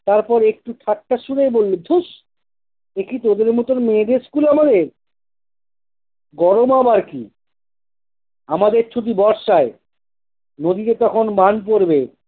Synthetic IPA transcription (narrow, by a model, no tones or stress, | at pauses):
t̪aɾpɔɾek̚ʈuʈʰaʈʰːaʃuɾejbolːod̪ʰʱuʃ | ekit̪od̪eɾmot̪oɾmeːd̪eskulamad̪eɾ | ɡɔɾomabaɾkḭ | amad̪eɾt͡ɕʰud̪ibɔɾʃae | nod̪iet̪ɔkʰonmanp̬oɾbe